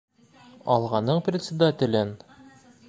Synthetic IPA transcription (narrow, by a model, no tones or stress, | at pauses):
ɒ̰lˠʁɑnːɤɴprʲɪt̪ʲsʲɪd̪at̪ʲɪ̆lʲɘn